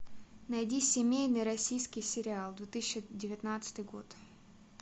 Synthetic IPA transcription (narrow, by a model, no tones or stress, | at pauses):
nɐjdʲisʲɪmʲejnɨjɾɐsʲijskʲɪjsʲɪɾʲɪalˠd̪vʲet̪ɨsʲɪɕːɪdʲɪvʲɪt̪nat̪sɨ̥t̪ɨjɡo̞̰t̪